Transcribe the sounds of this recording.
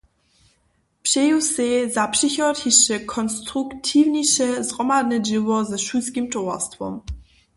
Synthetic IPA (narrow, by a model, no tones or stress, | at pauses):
pʂejusezapʂɪçɔthiʃəkʰɔnstʁuktʰivniʃəzʁɔmadnəd͡ʒiwɔzɛʃuskimtʰɔwa̰stfɔ̰m